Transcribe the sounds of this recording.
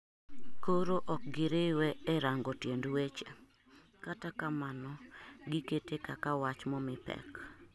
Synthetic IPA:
koɾoʔɔk̚ɡɪɾɪwɛːɾaŋɡɔtjendwet͡ʃe | katakamanɔɡɪketekakawat͡ʃmɔmɪpɛ̰k

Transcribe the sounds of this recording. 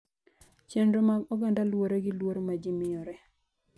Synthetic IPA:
t͡ʃɛndɾomaɔɡandalwoɾeɡɪlwoɾomad͡ʒɪmɪɔɾɛ

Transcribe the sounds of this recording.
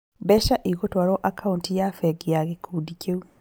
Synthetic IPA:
bɛʃaʔiɣotwaɾɔʔakʰauntijafɛɡijaɣekʰudikeu

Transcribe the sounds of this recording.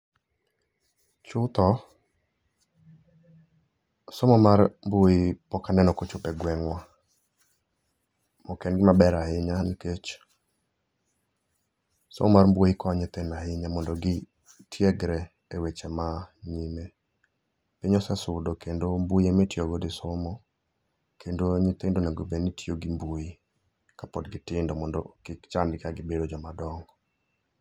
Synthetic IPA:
t͡ʃʊt̪ɔ | sɔmɔmarmbwojipɔkanɛnɔkot͡ʃʊpɛɡwɛŋwa | mɔkɛnɡɪmabɛɾahɪɲaniket͡ʃ | so̰mɔmarmbwoikɔɲɛt̪enahɪɲamɔndɔɡɪ | tʰjɛɡɾɛ | ewet͡ʃɛmaɲime | pɪɲɔsɛsʊdɔkendombujemetjoɡodɪsɔmɔ | kʰendoɲɪt̪endonaɡobenitjoɡimboji | kapɔdɡɪtɪndɔmɔndɔ̰kɪkt͡ʃandɪkaɡɪbedod͡ʒɔmadɔŋɡɔ

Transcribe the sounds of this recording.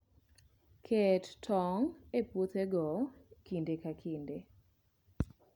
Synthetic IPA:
kʰɛttʰɔŋepwot̪eɡɔkindekakʰinde

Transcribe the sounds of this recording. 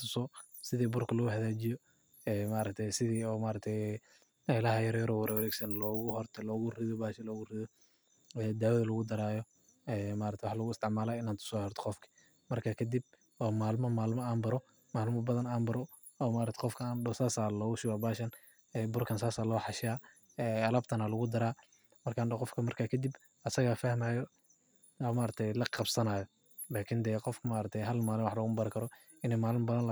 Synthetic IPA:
t̪ʰʊsɔ | sɪðiːbʊrkʰɐlɐɣʊhɐðaːt͡ʃɪjɔ | ɛːmaːɾɐk̚t̪ʰɛjsɪðiːɔːmaːɾɐk̚t̪ʰɛj | ɛlɐhɐjɐɾjɐɾɔwɐɾɐwɐɾɛːɡsɐnlɔːɣʊhɔrt̪ʰɛlɔːɣʊrɪðɔbaːʃɐlɔːɣʊrɪðɔ | ɛːd̪aːwɐðɐlɐɣʊd̪ɐɾaːjɔ | ɛːmaːɾɐkt̪ʰɛwħlɐɣʊɪst̪ʰɪʕmaːlaːɪnaːnt̪ʰʊ̥sɔːhɛrt̪ʰɔ̥qɔfkʰɐ̥ | mɐrkʰɐkʰɐd̪ib̚ | ɔːmaːlmɐmaːlmɐaːmbɐɾɔ | maːlmɐbɐðɐnaːmbɐɾɔ | ɔːmaːɾɐt̪ʰɛ̥qɔfkʰɐaːndɔsaːsaːlɔːɣʊʃɪwaːbaːʃɐn | ɛbʊrkʰɐnsaːsaːlɔːħɑʃaː | ɛːɐlɐbt̪ʰɐnalɐɣʊd̪ɐɾaː | mɐrkʰaːnd̪ɐqɔfkʰɐmɐrkʰaːkʰɐd̪ib | ɐsɐɣafɐhmaːjɔ | ɔːmaːɾɐt̪ʰɛjlɐqɑbsɐnaːjɔ | laːkʰɪnd̪ɛːqɔfkʰmaːɾɐk̚t̪ʰɛjɦɐlmaːlɪnwɑħlɔːɣʊmbɐɾɪkʰɐɾɔ | ɪnɛjmaːlmɐbɐðɐn

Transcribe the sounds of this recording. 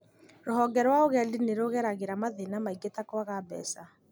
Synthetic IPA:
ɾoɦɔɡɛɾwaoɣɛdineɾoɣɛɾaɣeɾamaðenamaiɡetakwaɣabɛ̰ːsa

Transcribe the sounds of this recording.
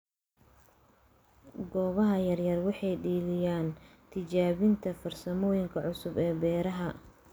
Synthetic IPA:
ɡɔːβɐɦɐjɐrjɐrwɑħɑjɖiːlɪjaːnt̪ʰɪt͡ʃaːβɪnt̪ʰɐfɐrsɐmɔːjɪŋkʰɐʕʊsʊbɛːbɛːɾɐɦɐ

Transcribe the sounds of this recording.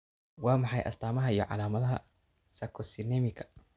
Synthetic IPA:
wɑːmɑħɑjʔɐ̰st̪ʰaːmɐɦɐijɔ̰ʕɑ̰laːmɐðɐɦɐ | sɐkʰɔsɪnɛmɪkʰɐ̥

